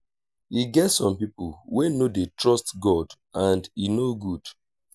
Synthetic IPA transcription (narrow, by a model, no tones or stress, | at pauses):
hiɡɛtsɔ̃mpipulwenodetɹɔstɡɔd | ãndinoɡud̥